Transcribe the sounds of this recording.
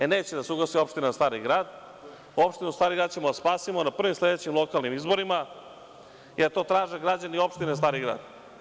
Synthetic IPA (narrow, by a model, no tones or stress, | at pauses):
eneːt͡ɕed̪aseuɡlasio̞pʃt̪inazast̪aːɾiɡɾaːd̪ | o̞pʃt̪inuzst̪aːɾiɡɾaːd̪t͡ɕe̞mod̪aspaːsimonapr̩ʋimsle̞d̪et͡ɕimlˠo̞kalˠnimizbo̞ɾima | jeɾt̪o̞ːt̪ɾaːʒeɡɾad͡ʑanio̞pʃt̪inezast̪aːɾiɡɾa̰ːd̪̥